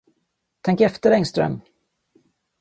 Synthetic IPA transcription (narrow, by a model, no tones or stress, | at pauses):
t̪ʰɛŋkɛft̪əɾɛŋst̪ɾœ̰m